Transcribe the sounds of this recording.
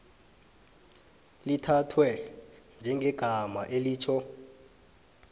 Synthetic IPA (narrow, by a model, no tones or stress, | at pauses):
litʰatʰwɛnd͡ʒʱɛŋʱɛɡ̥ʱamaʔeliːt͡ʃʰɔ